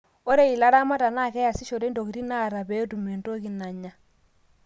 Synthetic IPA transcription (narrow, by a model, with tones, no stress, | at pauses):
o˦ɾe˦i˨la˦ɾa˦ma˦ta˨na˦˨kɛ˦ja˨si˦ʃo˨ɾe˦ndo˨ki˨ti˦na˦˨ɾa˨bɛ˨˦tu˨me˨nto˦ki˨na˨ɲa˦